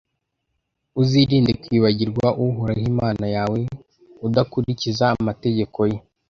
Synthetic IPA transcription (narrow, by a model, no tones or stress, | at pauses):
uziːɾiːndekwiːβaɟiɾɡwaʔuɦuɾahimaːnajaːwe̞ | udakuɾicizaːmate̞ɟe̞kʰo̞je